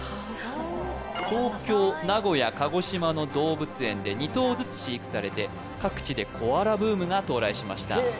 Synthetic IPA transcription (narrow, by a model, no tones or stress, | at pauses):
t̪o̞ːkʲo̞ːnaɡo̞jakaɡo̞ɕimano̞d̪o̞ːbɯ̟t͡sɨẽ̞nd̪e̞ɲ̟it̪o̞ːzɨt͡sɨ̥ɕiikʲi̥saɾe̞t̪e̞ | kakɯ̟̥t͡ɕid̪e̞kʰo̞aɾabɯ̟ːmɯ̟ɡat̪o̞ːɾaiɕimaɕi̥t̪a̰